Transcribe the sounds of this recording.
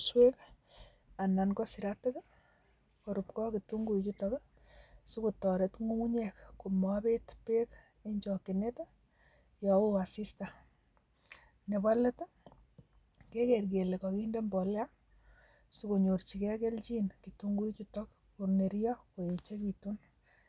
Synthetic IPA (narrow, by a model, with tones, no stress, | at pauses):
swe˦k | a˨na˨nkɔ˦si˨ɾate˦ka | ko˨ɾu˨pkɔ˦kitu˦ŋɡu˦it͡ʃu˦tɔk | su˦ku˨tɔ˨ɾe˨tŋu˦mu˦ɲɛkku˨ma˦be˦tpe˦k | e˦ɲt͡ʃɔ˨ke˨ne˦ta | jɔ˨o˦a˨si˦sta˨ | ne˨ba˦lɛ˦ta˦ | ke˦ke˨rɡe˨le˨kɔ˨ki˦nde˦mbɔ˨la˦ | su˦ko˨ɲo˨rt͡ʃi˨ke˦ke˦lt͡ʃi˦nki˨tuŋɡu˦t͡ʃu˦tɔ˦k | kune˨ɾjɔ˦ko˨jet͡ʃe˦ki˨tu˦n